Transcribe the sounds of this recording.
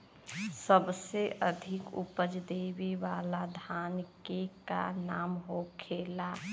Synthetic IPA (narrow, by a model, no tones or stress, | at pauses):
səbseʔəd̪ʱɪkʊ̰pəd͡ʒd̪eːʋeʋaːlad̪ʱaːnkeka̰naːmɦokʰeːla